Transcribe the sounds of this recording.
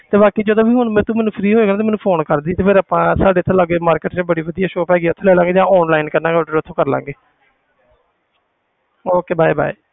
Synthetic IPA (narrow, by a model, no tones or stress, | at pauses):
t̪eːbaːkiːd͡ʒəd̪õːbiːɦʊnmɛ̃ːt̪ũːmɛ̃ːnũːpʰɾiːɦoːeːɡnaːt̪emɛːnũːpʰoːnkəɾd̪iːt̪eːpʰeɾaːpãːsaːɖeːt̪ʰːõːlaːɡeːmaːɾkeʈt͡ʃaːbəɽiːʋəd̪ijaːʃoːpɛːɡiːʊt̪ʰẽːlɛːlaːɡeːd͡ʒãːɔːnlaːinkəɾnãːɡɖʊt̪ʰːõːkəɾla̰ːŋɡeː | oːkeːbaːiːba̰ːiː